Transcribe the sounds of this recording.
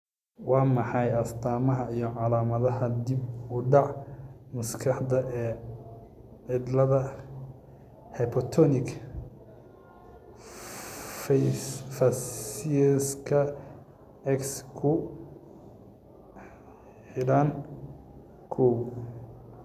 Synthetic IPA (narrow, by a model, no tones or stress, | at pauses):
wɑːmɑħɑjɐst̪ʰaːmɐɦɐijɔʕɑlaːmɐðɐɦɐd̪ɪb̚ʊɖɑʕ | mʊskʰɑħd̪ɐʔɛː | ʕɪd̪lɐðɐ | hɛpʰɔt̪ʰɔnɪk | ffɐs | skʰɐ | ɛkskʰʊ | ħɪɽan | kʰɔw